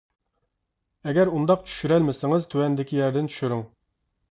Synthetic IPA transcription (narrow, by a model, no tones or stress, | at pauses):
ɛɡʲɛɾund̪ɑq̚t͡ʃʰy̥ʃyɾɛlmɪsɪŋɨzt̪ʰywɛnd̪ɪkʲijɛɾd̪ɪntt͡ʃʰy̥ʃyɾyŋ